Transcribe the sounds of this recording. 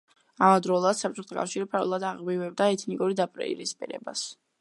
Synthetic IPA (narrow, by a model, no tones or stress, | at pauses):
amad̪ɾɔlˠad̪̥sap̚ʼt͡ʃʼɔt̪ʰɔkʼa̰fʃiɾipʰaɾṵlˠad̪aʁbivɛb̚d̪aɛt̪ʰnikʼuɾid̪apʼɾɛ̰ḭɾispʼḭɾɛ̰ba̰s